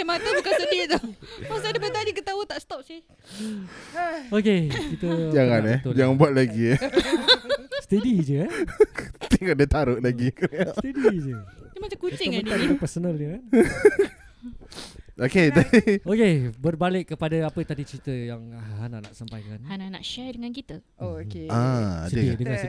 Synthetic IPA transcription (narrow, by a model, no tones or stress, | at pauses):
amat̪əbukansət̪it̪̚t̪ɔmasudəpt̪adikət̪aut̪aʔst̪ɔp̚sɪ | okekit̪əd͡ʒaŋanaod͡ʒaŋabuat̪̚laɡi | st̪ədid͡ʒəant̪iŋadət̪aɾʊʔlaɡikuast̪ədid͡ʒəəmat͡ʃakuaabət̪ankapɛrsonəld͡ʒəkan | okedaokebərbalɪkːəpadaapət̪adit͡ʃɾit̪əjaŋaanaʔnaʔsampajkanhananaʔʃajdəŋankit̪ə | eaa̰səidəŋans